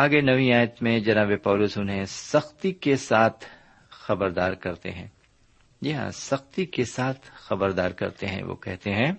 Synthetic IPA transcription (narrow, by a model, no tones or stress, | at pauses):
aːɡenɐʋĩaːjət̪mẽd͡ʒɐnaːbepaːlʊsʊnɦẽsɐxt̪ikesaːt̪ʰ | xɐbəɾd̪aːɾkɐɾt̪ḛɦɛ̰̃ː | d͡ʒiɦã̰ːsɐxt̪ikesaːt̪ʰxɐbəɾd̪aːɾkɐ̰ɾt̪ḛɦɛ̰̃ʋo̰ːkɛɦt̪eɦɛ̃ː